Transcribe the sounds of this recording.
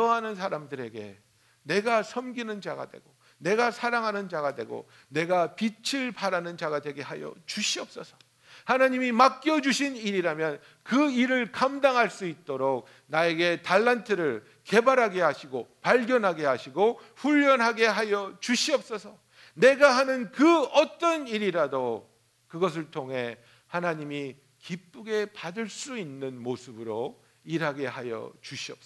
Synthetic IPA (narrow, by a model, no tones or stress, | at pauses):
tʌɦanɯnsʰaɾamdɯɾe̞ɡe̞̰ | ne̞ɡasʰʌmɡinɯnd͡ʑa̰ɡa̰dwe̞̰ɡo | ne̞ɡasʰaɾaŋɦanɯnd͡ʑaɡadwe̞̰ɡo̰ | ne̞ɡapit͡ɕʰiɭpaɾanɯnd͡ʑaɡadwe̞ɡe̞ɦajʌ̰t͡ɕuɕʰiʌp̚s͈ʌsʰʌ̥ | hanaɲimimak͈jʌd͡ʑuɕʰiniɾiɾamjʌn | kɯiɾɯɭkamdaŋɦaɭs͈uit̚t͈oɾok̚ | nae̞ɡe̞taɭːantʰɯɾɯɭ | ke̞baɾɦaɡe̞ɦaɕʰiɡopaɭɡjʌnɦaɡe̞ɦaɕʰiɡo | ɸuʎːʌnɦaɡe̞ɦajʌt͡ɕuɕʰiʌp̚s͈ʌsʰʌ | ne̞ɡaɦanɯnkɯʌt͈ʌniɾiɾado | kɯɡʌs̬ʰɯɭtʰoŋɦe̞ | hanaɲimi | kip͈uɡe̞padɯɭs͈uinːɯnmosʰɯbɯɾo | iɾɦaɡe̞hajʌ̰t͡ɕuɕʰiʌp̚s͈ʌ